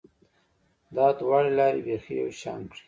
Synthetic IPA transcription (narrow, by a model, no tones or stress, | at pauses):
d̪ɑd̪wɑɽelɑːɾebexija̰wʃɑ̰ːŋkɽi̥